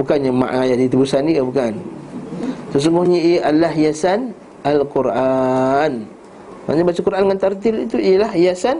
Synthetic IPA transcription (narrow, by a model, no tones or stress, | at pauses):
bukanɲama̰ʔŋajadit̪əbusanikabukan | səs̬uŋɡʊhɲəijʔalahjasan | alkuɾʔan | ma̰ɲabat͡ʃakuɾʔanŋant̪art̪ilḭt̪uijlahjasan